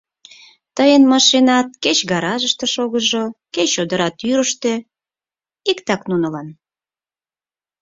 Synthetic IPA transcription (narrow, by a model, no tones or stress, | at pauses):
t̪əjənmɑʃenɑt̪̚ket͡ɕɣɑɾɑʒəʃt̪eʃoɣəʒoket͡ɕod̪əɾɑt̪yɾəʃt̪e | ikt̪ɑknunəlɑn